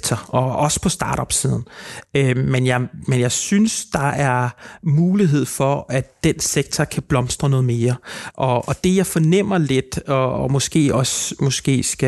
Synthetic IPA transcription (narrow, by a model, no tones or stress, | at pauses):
t͡sʰɐɒ̽ɒ̽sə̥pʰɒ̽sd̥ɑ̈ːɾ̥ɒ̽b̥sið̞ˠn̩ømenjɑ̈ɪmenjɑ̈ɪsynsd̥ɑ̈æɐmuːliɦe̝ð̞̰ˠfɒ̽ʔæd̥ːenseɡ̥̚t͡sʰɐkʰæb̥lɒ̽msd̥ʁɐnɔ̽ːð̞̩ˠme̝ːɐʔɒ̽ːd̥e̝jɑ̈ɪfɒ̽nem̰ɐle̝d̥ɒːmɔ̽sɡ̥e̝̰ːɒ̽smɒ̽sɡ̥e̝̰ːsɡ̥æ